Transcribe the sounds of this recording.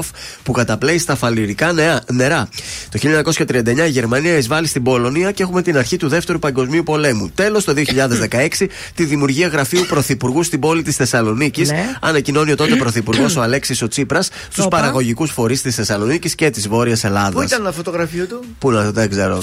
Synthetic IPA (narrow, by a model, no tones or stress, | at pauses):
fpukɐt̪ɐple̞ist̪ɐfɐliɾikɐne̞ɾɐt̪o̞çiʎɐɲɐko̞sçɐt̪ɾiɐnd̪ɐe̞ɲɐiʝe̞ɾmɐniɐizvɐlist̪ibo̞lo̞niɐcee̞xume̞t̪inɐɾçit̪uðe̞ft̪e̞ɾupɐŋɡo̞zmiupo̞le̞mut̪e̞lo̞st̪o̞ðio̞çiʎɐðe̞zðe̞kɐe̞ksi | t̪iðimjuɾʝiɐɣɾɐfiupɾo̞θipuɾɣust̪ibo̞lit̪isθe̞sɐlo̞nicisɐ̰nɐcino̞nio̞t̪o̞t̪epɾo̞θipuɾɣo̞so̞ɐle̞ksiso̞t͡sipɾɐs | st̪uspɐɾɐɣo̞ʝikusfo̞ɾist̪isθe̞sɐlo̞nicisce̞t̪izvo̞ɾiɐse̞lɐðɐist̪ɐnnɐfot̪oɣɾɐfiut̪u | punɐðeɡze̞ɾo